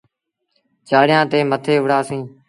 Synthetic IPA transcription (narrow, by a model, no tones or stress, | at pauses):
d͡ʒaːɽɪjãːt̪eːmət̪ʰeːʊɽaːsĩː